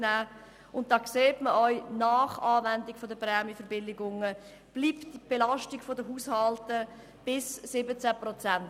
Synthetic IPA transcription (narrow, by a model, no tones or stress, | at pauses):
næː | ʊnt̚d̥ɑːkseːtməʔœʏnaːχaːvɛndɪkfɔdəprɛːmjəfəɾbɪlɪɡʊŋə | b̥liːpib̥elɑʃtɪkfɔdəɦuːshɑltə | b̥ɪsːɪbət͡sæprɔt͡sænt